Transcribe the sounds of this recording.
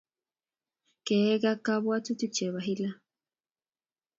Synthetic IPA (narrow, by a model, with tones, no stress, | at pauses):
kee˦ɡa˦kaβwa˦t͡su˦t̪u˦t͡ʃe˨βaɦila˦